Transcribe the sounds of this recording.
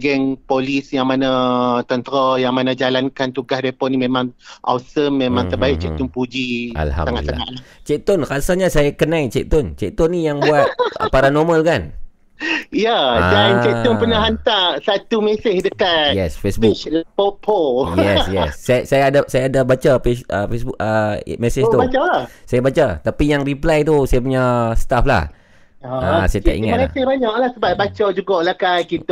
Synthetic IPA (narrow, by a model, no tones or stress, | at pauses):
ɡɛŋpolisjaŋmanat̪ənt̪əɾajaŋmanãd͡ʒalankant̪uɡahdɛpɔʔnimẽmãŋʔa̰wsəmːemãŋt̪ərbaɪʔt͡ʃɛʔ̚t̪ɔnpud͡ʒiʔa̰lha̰msaŋaʔsa̰laŋa̰ʔlat͡ʃɛk̚t̪ɔnkasaɲasajakənãit͡ʃɛk̚t̪ɔnt͡ʃɛk̚t̪ɔnːijaŋbuat̪a̰paɾanɔməlkan | ijaadant͡ʃɛɔnpənaɦant̪asat̪umesɪhdəkajɛsfesbulpopʰojɛsjɛ̰ssːajasajaːdasajaːdabat͡ʃapesəfesbukəmɛsɪʃt̪ubat͡ʃalasajabat͡ʃat̪apijaŋriplajt̪̬usajap̬uɲast̪afla̰h | asajaa̰ʔḭŋat̪l̰hɪhbaɲak̚lahsəbat̪̚bat͡ʃad͡ʒuɡaʔlakankit̪